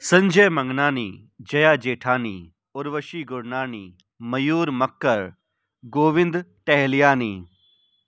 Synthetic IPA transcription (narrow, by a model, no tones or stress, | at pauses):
sɐ̃ɲd͡ʒeːmɐ̃ŋɡnaːnḭː | d͡ʒɐjaːd͡ʒeːʈʰaːniː | ʊɾʋəʃiːɡʊɾnaːniː | mɐjuːɾmɐkːəɾ | ɡoːʋɪ̃nd̪ʈɛɦlijaːniː